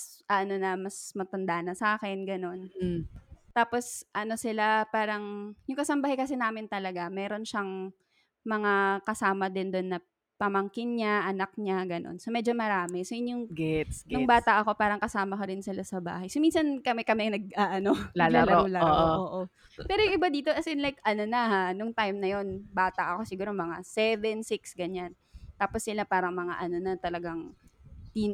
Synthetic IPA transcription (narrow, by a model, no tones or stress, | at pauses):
sʔɐʔno̞nɐmɐsmɐt̪ɐnd̪aʔnɐsaːkɛnɡɐno̞n | t̪aːpo̞sʔɐno̞sɪlapaːɾɐŋjʊŋkɐsɐmbaɦakɐs̬ɛnaːmɪnt̪ɐlɐɡamɛːɾo̞nʃɐŋ | mɐŋakɐsaːmɐd̪ɪnd̪onːɐ | pɐmɐŋkɪnɲaʔɐnɐk̚ɲaɡɐno̰nsomɛːd͡ʒo̞mɐɾaːmɛsojɪnjʊŋɡɛt̪sʊŋbaːt̪ɐʔɐko̞paːɾɐŋkɐsaːmɐkɐɾɪnsɪlasɐba̰ːɦɐjsominsɐnkɐmɛkɐmɛnɐɡ̚aʔɐnolalalɾolaʔoʔoːʔo | pɛːɾojʊŋʔɪbad̪iːt̪oʔɐsɛnlajkʔɐno̞nɐhanʊŋt̪ajmnɐjo̞nbaːt̪ɐʔɐko̞sɪɡuːɾo̞mɐŋasɛvɛnsɪksɡɐɲan | t̪aːposːɪlapaːɾɐŋmɐŋa̰ʔɐno̞nɐt̪ɐlɐɡaŋt̪in